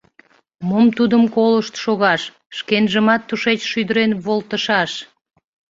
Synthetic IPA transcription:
momt̪ud̪əmkoləʃt̪ʃoɣɑʃː | kenʒəmɑt̪ːuʃet͡ɕʃyd̪əɾenβolt̪əʃɑʃ

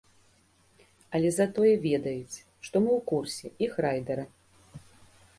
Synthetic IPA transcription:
ɐlʲɛzat̪ɔjɛvʲɛd̪ɐjut͡sʲ | ʂt̪ɔmɨwkursʲɛixrajd̪ɐɾɐ

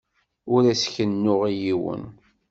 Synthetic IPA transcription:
ʊɾæsçənːʊʁijiwə̰n

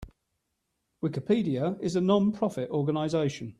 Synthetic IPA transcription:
wɪkɪpʰiːdiəɪzənɒ̃npʰɹ̥ɒfɪtɔːɡənaɪzeɪʃə̃n

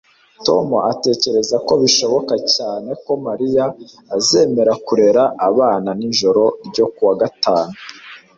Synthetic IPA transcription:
to̞moʔate̞ːce̞ɾe̞zako̞βiʃo̞βo̞kacaːne̞ko̞maɾijaː | ze̞ːme̞ɾakuɾe̞ɾaaβaːnaniɲʒo̞ɾo̞ɾɟo̞kuwaɡataːnu

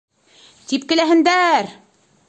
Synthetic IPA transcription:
t̪ip̚kɘ̆læɦɘ̆nd̪æɾ

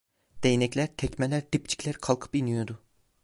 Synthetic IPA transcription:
d̪̥ejinɛclʲæɾt̪ʰɛcmɛlʲæɾd̪ipt͡ʃʰi̥clʲæɾkʰalˠkʰɯ̥pinijod̪ʊ

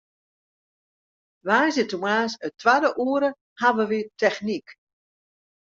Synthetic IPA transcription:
ʋaːzətumaːsətʰʋadəʔuːəɾə | haʋəʋitɛxnik

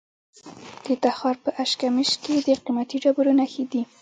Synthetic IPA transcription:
d̪̥ət̪axɑɾpəʔaʃkamɪʃked̪əqimat̪iɖabuɾonaxed̪i

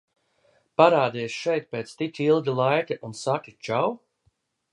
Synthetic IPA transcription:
paɾaːd̪iːsʃɛjt̪̚peːt̪st̪itʲilˠɡilˠajkɨʔunsakit͡ʃaw

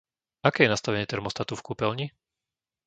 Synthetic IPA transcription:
akɛːjɛnast̪aʋɛɲɪɛt̪ɛɾmɔst̪at̪ufkuːpɛlɲi

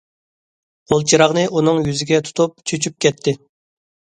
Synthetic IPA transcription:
bulˠt͡ʃʰiɾɑʁnɨʔunɨŋjyzɪɡʲɛt̪ʰu̥t̪ʰup̚t͡ʃʰøt͡ʃʰyp̚kʲɛt̪ʰːɪ

